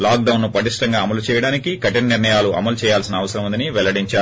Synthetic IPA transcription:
laːk̚ɖɐwnːupɐʈiʂʈɐŋɡaːɐmɐlut͡ʃɛːjɐɽaːnikikɐʈinɐniɾɳɐjaːluʔɐ̰mɐlut͡ʃɛːjaːlsinɐːʋɐsɐɾɐmund̪iniʋɛlɐɽiɲt͡ʃaːɾ

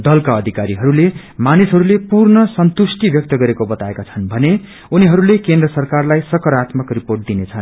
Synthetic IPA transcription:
d̪ʌlkaʌd̪ʱikaɾiɦʌɾule | manisɦʌɾulepurnʌsʌnt̪usʈibjʌk̚t̪ʌɡʌɾekobʌt̪aekat͡sʰʌnbʱʌne | uniɦʌɾulekend̪rʌsʌrkarlajsʌkʌɾat̪mʌkriporʈ̚d̪inet͡sʰʌn

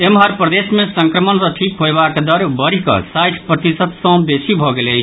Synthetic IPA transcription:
emɦaɾpɾəd̪esmesə̃ŋkɾəmənsə̃ʈʰikɦoebakd̪əɾbəɾikə̰sajʈʰpɾət̪isət̪sə̃besibʱɔɡeləjt͡ʃʰ

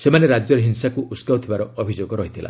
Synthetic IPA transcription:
semaneɾad͡ʒjɔɾeɦinsakuʔuskaut̪ʰibaɾɔːbʱid͡ʒoɡɔɾɔɦit̪ʰila̰

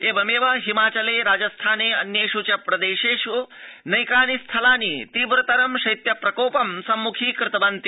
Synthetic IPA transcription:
eːbɐmeːʋɐɦimaːt͡ʃɐleːɾaːd͡ʒɐst̪ʰaːneːɐ̰njeːʂut͡ʃɐpɾɐd̪eːʃeːʂunɐjkaːnist̪ʰɐlaːnit̪iːʋɾɐt̪ɐɾɐmʃɐjt̪jɐpɾɐkoːpɐmsɐmːukʰiːkɾɪt̪ɐbɐnt̪i

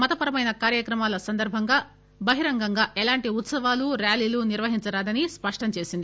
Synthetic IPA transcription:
mɐt̪ɐpɐɾɐmɐjnɐkaːɾjɐkɾɐmaːlɐsɐnd̪ɐɾbʱɐŋɡaː | bɐɦiɾɐŋɡɐŋɡaːʔɛlaːɳʈiut̪sɐʋaːluɾjaːliːluniɾʋɐɦiɲt͡ʃɐɾaːd̪ɐnispɐʂʈɐɲt͡ʃe̞ːsind̪i

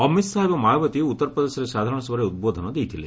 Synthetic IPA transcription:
ɔmisaɦebɔmajbɔt̪iut̪ːɔɾpɾɔd̪esɔɾesad̪ʱaɾɔɽ̃ɔsbɔɾeut̪̚bod̪ʱɔnɔd̪ejt̪ʰile

